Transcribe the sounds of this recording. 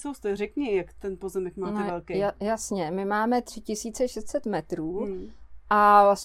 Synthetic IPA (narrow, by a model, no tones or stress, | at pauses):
sowst̪ɛrɛkɲɪjakt̪ɛnpozɛmɛkmaːnɛɛlkejajasɲɛmɪmaːmɛt̪r̝̥ɪcɪsiːt͡sɛʃɛst̪sɛt̪mɛt̪ɾuːʔavlas